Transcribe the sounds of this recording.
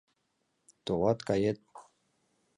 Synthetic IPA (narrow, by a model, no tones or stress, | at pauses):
t̪olɑt̪kɑjet̪̚